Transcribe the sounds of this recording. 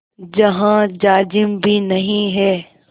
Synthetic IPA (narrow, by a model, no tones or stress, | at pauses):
d͡ʒɐɦãd͡ʒaːd͡ʒɪmbʱinɐɦĩɦɛː